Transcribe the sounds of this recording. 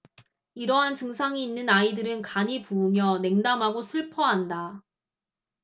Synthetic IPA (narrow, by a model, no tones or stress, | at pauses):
iɾʌɦant͡ɕɯŋsʰaŋiːnːɯnaidɯɾɯnkaɲipuːmjʌne̞ŋdamɦaɡosʰɯɭpʰʌɦanda